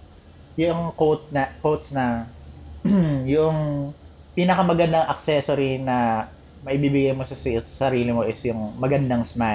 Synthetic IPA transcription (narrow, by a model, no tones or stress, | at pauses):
jʊʔoŋkowt̪̚nɐkowt̪snɐ | jʊʔoŋ | piːnɐkɐmɐɡɐnd̪aŋʔɐk̚sɛsoɾinɐ | mɐʔɪbibɪɡajmosɐssɐsɐɾiːlɪmoʔɪsjʊŋmɐɡɐnd̪aŋsma